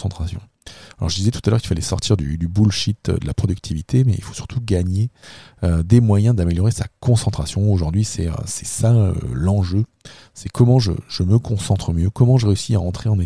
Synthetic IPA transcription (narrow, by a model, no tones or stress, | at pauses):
ɑ̃t̪χasjɔ̰̃ | alʔɔ̰ʁʒəd̪izɛt̪u̥t̪alœ̰ʁkilfalɛsɔ̰ʁt̪ʰiʁd̪y̰d̪ybulʃit̪d̪əlapχɔd̪ykt̪ʰivit̪ʰemɛḭlfo̥sy̥ʁt̪ʰuɡaɲeød̪emwajɛ̃d̪ameljɔʁesa̰kɔ̃sɑ̃t̪χasjɔ̃oʒuʁd̪ɥisɛø̰sɛ̥sa̰lɑ̃ʒø | sɛkʰɔmɑ̃ʒə̰ʒ̥əməkɔ̃sɑ̃t̪χəmjøkɔmɑ̃ʒəʁeysiaɑ̃t̪χeɑ̃ne